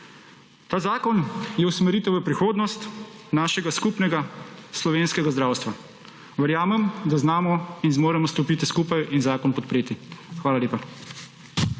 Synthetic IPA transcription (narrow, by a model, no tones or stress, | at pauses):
t̪aːzaːkɔnjɛusmɛɾiːt̪ɛwʋəpɾixoːd̪nɔst̪naːʃɛɡaskupnɛɡaslɔʋeːnskɛɡazd̪ɾaːwst̪ʋa | ʋəɾjaːmɛmd̪aznaːmɔinzmoːɾɛmɔst̪ɔpiːt̪iskuːpajinzaːkɔnpɔt̪pɾeːt̪ixʋaːlaleːpa